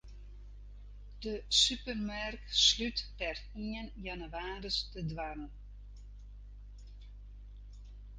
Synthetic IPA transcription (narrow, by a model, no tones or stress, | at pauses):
d̥əsypərmarkslytpɛr | iənjanəʋaːɾəstədʋanən